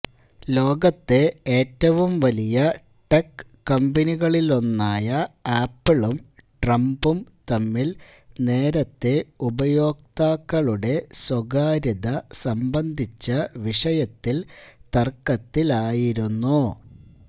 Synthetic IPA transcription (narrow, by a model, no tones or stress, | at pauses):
lo̞ːɡɐt̪ːe̞eːtːɐʋumʋɐlijɐ | ʈekː | ɐmbɐniɣɐɭilo̞nːaːjɐaːpːɐɭumʈrɐmbumt̪ɐmːil | ne̞ːɾɐt̪ːe̞ubɐjo̞ːk̚t̪aːkːɐɭuɽe̞swɐɡaːɾiðɐsɐmbɐnd̪ʱit͡ɕːɐʋiʂɐjɐt̪ːilt̪ɐrkːɐt̪ːilaːjiɾunːu